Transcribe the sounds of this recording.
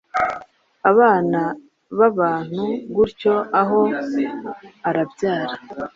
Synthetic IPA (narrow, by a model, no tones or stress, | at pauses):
aβaːna | βaβaːn̥huɡuɾco̞aɦo | aɾabɟaːɾa